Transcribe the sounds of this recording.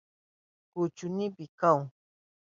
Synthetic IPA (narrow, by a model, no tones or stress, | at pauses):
kʊt͡ʃʊnipɪkaw